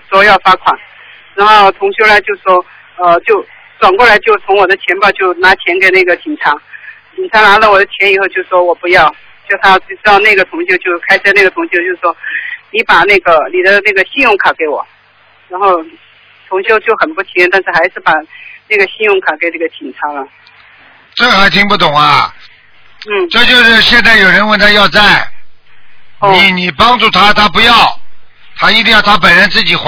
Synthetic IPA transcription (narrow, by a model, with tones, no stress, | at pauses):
t͡swɔ˧˥jɑ˥˩ʊfa˥kʰwa˨˩˦n | ɻa˧˥nxo˥˩ʊt̪ʰʊ˧˥ŋɕjo˥ʊla˧t͡ɕjo˥˧ʊ˩ʂwɔ˥ | ə˥˧t͡ɕjo˥˩ʊ | ʈ͡ʂwa˨˩nkwɔ˥˩la˧˥ɪt͡ɕjo˥˩ʊt͡sʰʊ˧˥ŋwɔ˨˩d̪ə˦t͡ɕʰjɛ˧˥npjɑ˥˧ʊt͡ɕjo˥˩ʊna˧˥t͡ɕʰjɛ˧˥nke˨˩ɪna˥˩ɡə˩t͡ɕi˨˩ŋʈ͡ʂʰa˧˥ŋt͡ɕi˨˩nʈ͡ʂʰa˧˥ŋna˧˥lə˧˨wɔ˨˩d̪ə˦t͡ɕʰjɛ˧˥ni˨˩xo˥˧ʊt͡ɕjo˥˧ʊ˩ʂwɔ˥wɔ˨˩pu˧˥jɑ˥˩ʊ | t͡ɕjo˥˩t̪ʰa˥˩ʈ͡ʂɻ̩˥t̪ɑ˥˧ʊna˥˩ɡə˩t̪ʰʊ˧˥ŋɕjo˥˧ʊt͡ɕjo˥˩ʊkʰa˥ɪʂ̩˥na˥˩ɡə˩t̪ʰʊ˧˥ŋɕjo˥˧t͡ɕjo˥˧ʊ˩ʂwɔ˥ni˧˥pa˨˩na˥˩ɡə˩ni˨˩d̪ə˦na˥˩ɡə˩ɕi˥˧njʊ˥˩ŋkʰa˨˩ke˧˥ɪwɔ̰˨˩˦ | ɻa˧˥nxo˥˩ʊ˩ | t̪ʰʊ˧˥ŋɕjo˥˧ʊt͡ɕjo˥˩xə˨˩npu˥˩t͡ɕʰi˧˥jɛ˥˧nt̪a˥˧nʂɻ̩˥˩xa˧˥ɪʂɻ̩˥˩pa˨˩na˥˩ɡə˩ɕi˥˧njʊ˥˧ŋkʰa˨˩ke˧ɪne˥˩ɡə˧˩t͡ɕʰi˨˩nʈ͡ʂʰa˧˥lə˧ | ʈ͡ʂɤ˥˩xa˧˥ɪt̪ʰi˧˥ŋpu˥˩t̪ʊ˨˩ŋɐ˧ | n̩˥˩ʈ͡ʂɤ˥˧t͡ɕjo˥˧ʊʂɻ̩˥˧ɕjɛ˥˧nt͡sa˥˩ɪjo˨˩ɻə˧˥nwə˥nt̪ʰa˥jɑ˥˧ʊt͡sa˥˩ɪ˧ | ni˧˩ni˨˩pɑ˥ŋʈ͡ʂu˥˩t̪ʰa˥t̪ʰa˥pu˧˥jɑ˥˩ʊ | t̪ʰa˥i˥t̪̬i˥ŋjɑ˥˩ʊt̪ʰa˥pə˨nɻə˧˥nt͡sɹ̩˥˩t͡ɕi˨˩x